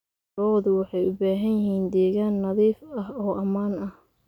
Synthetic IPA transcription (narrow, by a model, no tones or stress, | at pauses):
ɔːðʊwɑħɑjʔʊbaːɦɐnjɪɦiːnd̪ɛːɣaːnːɐðiːfɐhɔːʔɐmaːnɐh